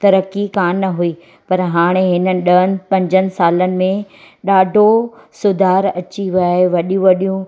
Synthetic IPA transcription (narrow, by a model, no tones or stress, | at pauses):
t̪ɐɾəkikaːnːɐɦuiː | pɐɾɦaːɽ̃eɦɪnənɪ̆ɗɐɦənɪ̆pɐ̃ɲd͡ʑʱənɪ̆saːlənɪ̆mẽ | ɗaːɖʱo | sʊd̪ʱaːɾɐt͡ɕiʋaeʋɐɗijũʋɐɗijũ